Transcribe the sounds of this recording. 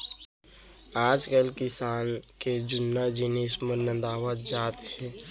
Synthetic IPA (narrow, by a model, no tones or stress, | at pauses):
aːd͡ʒkəlkɪsaːnked͡ʒʊnːad͡ʒiniːsməɾnə̃nd̪aːwət̪d͡ʒaːt̪ɦɛː